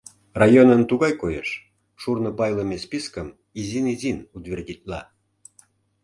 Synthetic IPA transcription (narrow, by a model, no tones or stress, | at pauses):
rajonənt̪uɣɑjkojḛʃ | ʃurnə̆pɑjlˠəmʲespʲiskəm | izʲinizʲinut̪vʲerʲdʲit̪̚ʲlɑ̰